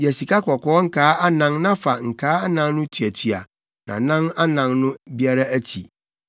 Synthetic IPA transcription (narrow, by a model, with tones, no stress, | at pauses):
jɛ˨si˨ka˦kʰɔ˨kɔː˨˦ŋ̩˦kʰaː˨˦ʔa˦nã˦ŋnã˦fa˨ŋ̩˨kʰaː˨˦a˦nã˦ŋnʊ̃˦tʰɥæ˨tʰi˨a̰˨ | nã̰˨nã˦na˦nã˨nnʊ̃˦bi˦a˦ɾa˦æ˦t͡ɕʰḭ˨